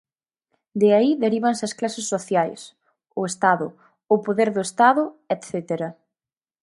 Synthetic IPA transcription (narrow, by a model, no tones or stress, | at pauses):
d̪eaiðeɾiβ̞ɐnsɐsklasesːoθjajs | ʊest̪aðʊ | ʊpoðeɾðʊest̪aðʊɛt̪θɛt̪eɾɐ